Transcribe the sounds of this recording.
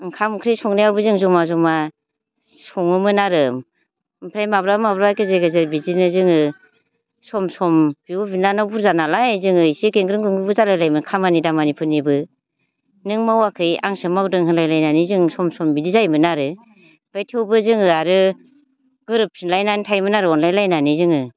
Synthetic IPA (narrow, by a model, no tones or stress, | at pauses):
ŋkʰamkʰɾɯjsɔŋnajawbɯzɯŋzɔmazɔma | sɔŋɯmɯnaɾɯm | mpʰɾajmabɾamabɾaajkʰɯzeɡɯzɯɾbizinɯzɯŋɯ | sɔmsɔmb̥iwɔbinanawbʰuɾzanalajzɯŋɯisikeŋɡɾɯŋɡɯŋɡɯbɯzalajlajmɯkʰamanidamanipʰɯnibɯ | nɯŋmawakʰɯja̰ŋsɯmawdɯŋɦɯnlajlajnanizɯŋsɔmsɔmbidizajmɯnaɾɯ | b̥ajtʰewbɯzɯŋɯaɾɯ | ɡ̥ɯɾɯp̚sʰɯnlajnanitʰajmɯnaɾɯɔnlajlajnanizɯŋɯ